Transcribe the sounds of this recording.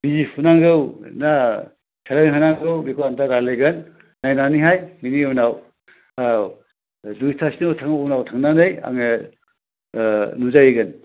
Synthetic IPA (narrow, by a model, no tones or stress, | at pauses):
bizipʰunaŋɡɯwna | tʰelaniɦɯnaŋɡɯwbikʰoantaɾalɯjɡɯnː | ajnaniɦajminiɯwnaw | a | dustʰasinɯtʰaŋːwnawtʰaŋnanɯja̰ŋe | nuzajeɡɯn